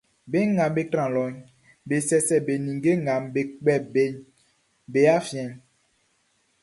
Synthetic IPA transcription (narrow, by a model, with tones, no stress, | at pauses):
be˦ŋã˨mbe˦tɾã˨lɔ˨˦ɲ | be˨sɛ˦sɛ˨be˨nĩ˨ŋɡe˦ŋã˨mbe˨k͡pɛ˨be˦ɲ | be˨˦a˦fi˨˦ɛ̃˨ɲ